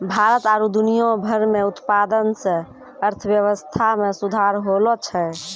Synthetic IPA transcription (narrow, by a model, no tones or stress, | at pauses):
bʱaɾət̪aɾud̪unijõbʱəɾmeut̪pad̪ənsə̃ | əɾt̪ʰəʋjəʋəst̪ʰamesud̪ʱaɾɦolɔt͡ʃʰɛ